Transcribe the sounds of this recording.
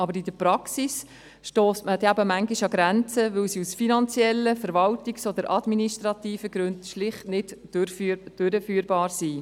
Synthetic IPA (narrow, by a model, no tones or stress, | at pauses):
ɑbəɾid̥əpɾɑksis | ʃtoːstməd̪ɛæbəmæŋɡiʃɑɡɾænt͡səʋɵwsiusfinɑnt͡sjɛlːəfəɾvɑltiksod̪əɾʔɑd̪miniʃtɾɑt̪iːfəɡɾʉntʃlɪχtnɪdɾfyd̥øɾəfyːɾbɑːɾsiː